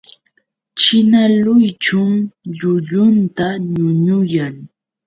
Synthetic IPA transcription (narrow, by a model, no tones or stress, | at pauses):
t͡ʃɪnalʊjt͡ʃʊmʎʊʎʊnt̪aɲʊɲʊjaŋ